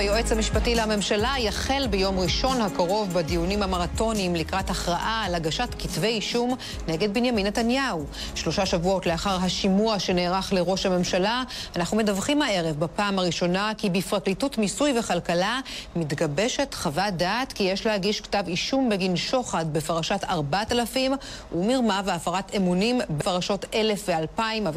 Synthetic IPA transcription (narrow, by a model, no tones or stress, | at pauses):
bajoʔet͡shamiʃpatilehame̞mʃalajaχe̞lbejo̞mʁiʃo̞nhakaʁo̞vbadijunimhamaʁato̞nimlikʁataχʁaʔalaɡaʃatkitve̞jiʃum | neɡe̞d̚binjaminetanjau | ʃlo̞ʃaʃavuotleaχaʁɦaʃimuaʃeneːʁaχle̞ʁo̞ʃhame̞mʃalaanaχnume̞davχimhae̞ʁevbapaːmaʁiʃo̞nakibifʁaklitutmisujve̞χalkalamitɡabe̞ʃe̞tχavadaːtkijeʃlehaɡiʃktaviʃumbeɡinʃo̞χad̚befaʁaʃataʁbatalafimumiʁmaveafaʁatemunimbefaʁaʃo̞te̞le̞fvealpaimav